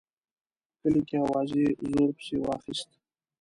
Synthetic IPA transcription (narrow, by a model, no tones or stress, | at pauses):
kəlikeawɑːzezoːɾpə̥sewɑ̰ːxɪst̪